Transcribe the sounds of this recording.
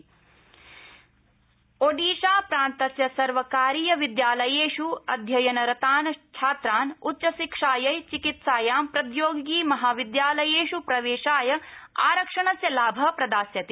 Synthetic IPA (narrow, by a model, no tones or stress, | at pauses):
oɖiːʃaːpɾaːnt̪ɐsjɐsɐɾʋɐkaːɾiːjɐʋid̪jaːlɐjeːʃuɐd̪ʱjɐjɐnɐɾɐt̪aːnɐt͡ʃʰaːt̪ɾaːnutːʃɐʃikʂaːjɐjt͡ʃikit̪saːjaːmpɾɐd̪joːɡɡiːmɐɦaːʋid̪jaːlɐjeːʃupɾɐʋeːʃaːjɐaːɾɐkʂɐɳɐsjɐlaːbʱɐpɾɐd̪aːsjɐt̪i